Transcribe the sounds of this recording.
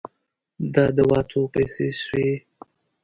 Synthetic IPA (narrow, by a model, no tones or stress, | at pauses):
d̪ɑd̪əwɑːt̪ʰopajseʃwe